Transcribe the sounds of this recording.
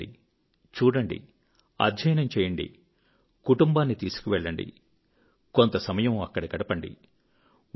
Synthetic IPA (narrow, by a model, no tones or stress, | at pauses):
ḭ | t͡ʃuːɽɐɳɖḭ | ɐ̰d̪ʱjɐjnɐmt͡ʃɛːjɐɳɖḭ | kuʈumbaːnːit̪iːsu̥kuʋɛɭːɐɳɖḭ | kont̪ɐsɐmɐjɐmɐkːɐɽɐɡɐɽɐpɐɳɖḭ